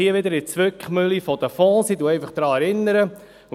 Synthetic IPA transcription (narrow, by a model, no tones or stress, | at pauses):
iəʋɪd̪əɾɪt͡sʋʏkχmʏlifɔd̥̪əfɔ̃ːsiduɛjfɑχd̥̪ɾɑːɛɾɪnːəɾə